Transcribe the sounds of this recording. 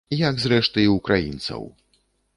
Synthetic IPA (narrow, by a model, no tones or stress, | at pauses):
jaɡzɾɛʂt̪ɨiukɾajḭnt̪sɐ̰w